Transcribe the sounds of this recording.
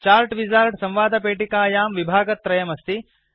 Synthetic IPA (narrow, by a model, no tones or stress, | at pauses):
t͡ʃaːɾʈʋid͡ʒaːɾʈsɐ̃mʋaːd̪ʱɐpeːʈikaːjaːmʋibʱaːɡɐt̪ːɾɐjɐmɐst̪i